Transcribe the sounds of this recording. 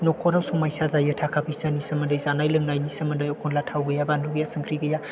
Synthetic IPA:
nɔkʰɔɾawsuŋmajsazajɯtʰakʰapʰisanisɐmɐndɯjzanajlɯŋnajnisəmɐndɯjɔkʰɔnlatʰawɡɯjabanduɡijasəŋkʰɾiɡɯja

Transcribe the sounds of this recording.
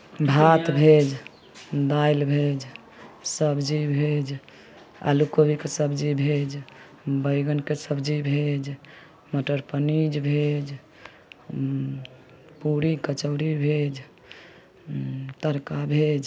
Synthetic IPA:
bʱat̪bʱed͡ʒ | d̪ajlbʱed͡ʒ | səbʱd͡ʒibʱed͡ʒ | a̰lukobikesəbd͡ʒibʱed͡ʒ | bəɪɡənkesəbʱd͡ʒibʱed͡ʒ | məʈəɾpənid͡ʒbʱed͡ʒ | puɾikət͡ʃəʊɾibʱed͡ʒ | t̪əɾkabʱed͡ʒ

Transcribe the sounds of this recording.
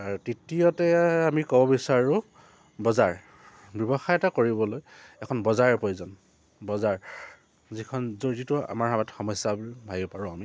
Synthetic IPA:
aɹutitijɔtɛamikɔbɔbisaɹʊ | bɔzaɹ | bjɔbɔxajɛtakoɹibɔlojɛkʰɔnbɔzaɹpojzɔn | bɔzaɹ | zikʰɔnzoɹzitua̰maɹɦamɛtxɔmɔsabbʱajɔpaɹɔ̃ami

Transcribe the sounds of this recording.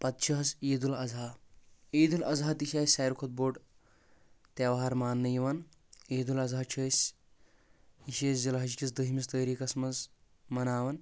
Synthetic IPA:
pɐt̪̚t͡ʃʰɐɦɐseːd̪ulɐzaːeːd̪ulɐzɦɐt̪iʃʲaːsʲaːjɾukʰɐt̪̚boːɖ | t̪eːʋɐɦaɾmaːnːɐjiʋɐn | eːd̪ulɐzaːt͡ʃʰɐːsʲ | iʃeːsd͡ʒɐlɐɦɐd͡ʒikʲisd̪ɐɦimist̪ɐːjɾiːkɐsmɐz | mɐnaːʋɐn

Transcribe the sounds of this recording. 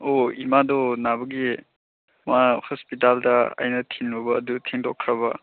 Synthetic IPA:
oimadɔnabɐɡi | mahɔspitaldɐa̰jnɐtʰinɾubɐːdutʰeŋdɔkʰːɾɐbɐ

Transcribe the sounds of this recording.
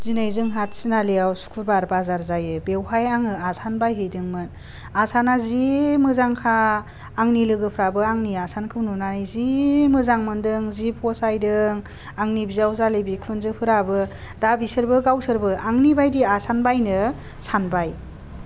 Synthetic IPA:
zinajzɯŋɦat̚sinaleawsu̥kʰubaɾbazaɾzajɯbewɦajaŋɯasanbajɦɯjdɯŋmɯn | asanazimɯzaŋkʰaː | ŋnilɯɡɯpʰɾabɯaŋniasankʰɯwnunanɯjzimɯzaŋmɯndɯŋzipʰɔsajdɯŋ | aŋnibizawzalebikʰunzɯpʰɯɾabɯ | dabisɯɾbɯɡawsɯɾbɯaŋnibajdiasanbajnɯ | sʰanbaj

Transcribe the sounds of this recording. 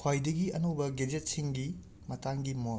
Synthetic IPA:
kʰwajdɐɡiɐnobɐɡed͡ʒet̚siŋɡi | mɐtaŋɡimo

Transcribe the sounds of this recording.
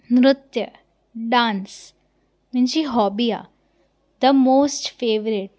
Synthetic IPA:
nɾʊt̪jə | ɖãːns | mɪnt͡ʃiɦɔːbija̰ | d̪əmoːsʈfeːʋɾɪʈ̚

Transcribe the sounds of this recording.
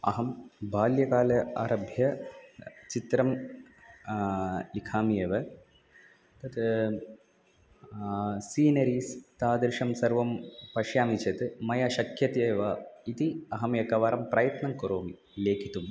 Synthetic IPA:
ɐ̰ɦɐmbʱaːljɐkaːlɐaːɾɐbʱjɐ | t͡ʃit̪ɾɐm | likʰaːmijeːʋɐ | t̪ɐt̪ | siːnɐɾiːst̪aːd̪ɐɾʃɐmsɐɾʋɐmpɐʃjaːmit͡ʃɐt̪mɐjɐʃɐkʰjɐt̪eːʋɐit̪iɐɦɐmjɐkɐʋaːɾɐmpɾɐjɐt̪nɐmkɐɾoːmi | leːkʰit̪um

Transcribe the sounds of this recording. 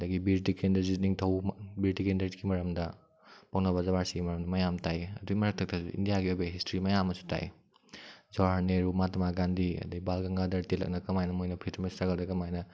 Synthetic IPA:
ɐdɐɡibiɾtikendɐɾziniŋtʰɐwbiɾtikendɐɾziɡimɐɾɐmdɐ | pawnɐβɐzɐβaɾsiɡimɐɾɐmdɐmɐjamtajɐduɡimɐɾɐk̚tʰɐk̚tʰɐsuḭndijaɡiojbeɦistɾimɐjamːɐsu̥tʰa̰j | zaɦaneɾumatɐmaɡandiɐ̰dɐɡibalkɐŋɡadɐɾtelɐ̰k̚nɐkɐmajnɐmojnɐpʰitɐmɐstaɡɐldɐkɐmajnɐ

